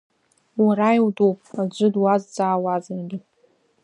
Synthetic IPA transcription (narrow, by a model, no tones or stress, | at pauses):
waɾajwdupʼad͡ʒʷɨdwazd͡zaːwazanɡʲɪ